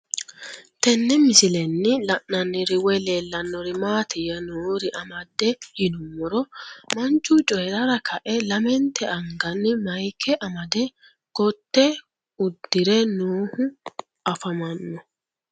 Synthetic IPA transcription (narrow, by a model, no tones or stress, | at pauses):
t̪ɛnːɛmɪsɪlɛnːɪlɐʔnɐnːɪɾɪwɛleːlːɐnːɔɾɪmaːt̪ʰɪjɐnuːɾɪʔɐmɐd̪ːɛhɪnʊmːɔɾɔmɐnt͡ʃːʊt͡ʃʼɔjɛɾɐɾɐkʰɐʔɛlɐmɛnt̪ʰɛɐŋɡɐnːɪmɐjkʰːɛʔɐmɐd̪ɛ | ɡ̥ɔt̪ːɛ | ʊd̪ːɪɾɛnuːhʊ | ɐfɐmɐnːɔ